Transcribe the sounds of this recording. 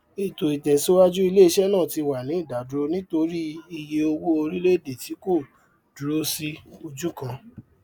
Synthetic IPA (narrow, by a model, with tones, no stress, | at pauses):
i˨to˨i˨tɛ˨so˦wa˦d͡ʒu˦i˧le˦i˧ʃɛ˦nãː˦˨ti˨˧wa˨nĩ˨˦i˦˨da˨du˨ɾo˧nĩ˦to˧ɾi˦i˧je˧o˧wo˦o˧ɾi˦le˦˨de˨ti˨˦ko˦˨ | du˨ɾo˦si˦o˧d͡ʒu˦kã˧